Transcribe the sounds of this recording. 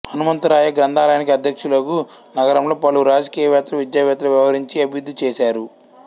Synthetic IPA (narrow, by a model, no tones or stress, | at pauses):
hɐnumɐnt̪ɐɾaːjɐɡɾɐnd̪ʱaːlɐjɐnik̬iɐd̪ʱjɐkʂulɐku | nɐɡɐɾɐmlo̞ːpɐluɾaːd͡ʒɐkiːjɐʋɛːt̪ɐlɐʋid͡ʒ̪jɐʋɛːt̪ɐlɐʋjɐʋɐɾiɲt͡ʃiɐbijud̪ːit͡ʃeːsaːɾu